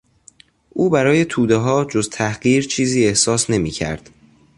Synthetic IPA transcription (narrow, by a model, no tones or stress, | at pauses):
ʔuːbæɾɒːje̞t̪ʰuːd̪eɦɒːd͡ʒo̞zt̪ʰæhɢiːɾt͡ʃʰiːziːe̞hsɒːsne̞miːcʰæ̰ɾd̪̥